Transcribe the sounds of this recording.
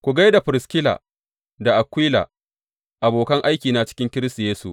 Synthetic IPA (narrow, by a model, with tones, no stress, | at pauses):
kʷu˨ɡa˦jda˨ɸɪ˨ɾɪ˨skʲɪ˦la̰ː˨ | da˨ʔa˨kʷwiː˦la̰ː˨ | ʔa˨boː˨kɐ˦ŋʔa˦jkʲiː˨na˨t͡ʃɪ̥˦kʲɪ˦ŋkʲɪ˦ɾɪ˦stu˨jeː˦sṵ˨ʔ